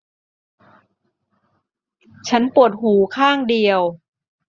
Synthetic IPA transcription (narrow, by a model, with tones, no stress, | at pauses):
t͡ɕʰa˦˥npu˨˩ət̪̚huː˩˦kʰaː˥˩ŋdi˧əw